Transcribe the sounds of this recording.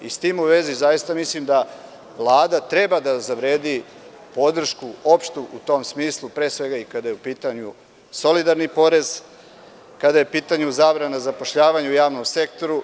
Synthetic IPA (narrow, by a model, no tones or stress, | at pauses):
ist̪iːmuʋe̞zizajist̪amislimd̪a | ʋlˠaːd̪at̪ɾe̞bad̪azaʋɾeːd̪i | po̞d̪r̩ʃkuo̞pʃt̪uʔut̪o̞ːmsmiːslˠupɾe̞ːsʋe̞ɡaikad̪ajeupiːt̪aɲu | so̞lid̪aɾnipo̞ɾe̞z | kad̪ajeupiːt̪aɲuzaːbɾanazapoʃʎaːʋaɲujaːʋnomse̞kt̪o̞ɾu